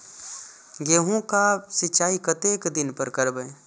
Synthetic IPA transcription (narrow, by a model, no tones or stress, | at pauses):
ɡeːɦõkasɪt͡ʃaːikət̪eːkd̪ɪnpəɾkəɾbə